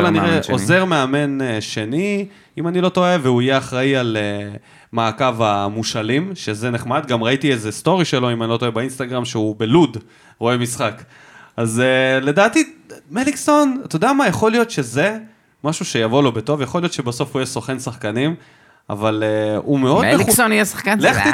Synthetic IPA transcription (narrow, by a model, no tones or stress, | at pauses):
olaniʁeʔoze̞ʁmeame̞neʃe̞ni | imanilo̞t̪o̞eveuije̞aχʁaiale | maːkavamuʃalimʃezeneχmad̪ɡamʁaitiezest̪o̞ʁiʃe̞lo̞imanilo̞t̪oebainst̪aɡʁamʃeubelud | ʁo̞e̞misχak | azele̞daːt̪imelikso̞nt̪od̪eamajeχo̞lijo̞t̪ʃe̞ze̞ | maʃuʃe̞javo̞lo̞beto̞vjeχo̞lijotʃe̞baso̞fuijesoχe̞nsaχkanim | a̰valeume̞o̞d̪eonijesaχkaleχi